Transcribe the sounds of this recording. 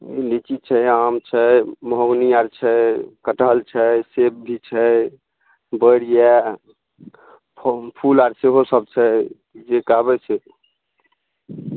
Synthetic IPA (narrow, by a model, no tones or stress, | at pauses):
ḛlit͡ʃit̪̚t͡ʃʰɛamt͡ʃʰɛməɦoɡnijaɾt͡ʃʰɛkəʈəɦlt͡ʃʰɛsep̚bʱit͡ʃʰɛj | bəɾija | pʰulaɾseɦosəb̚t͡ʃʰɛ | d͡ʒekabɛt͡ʃʰe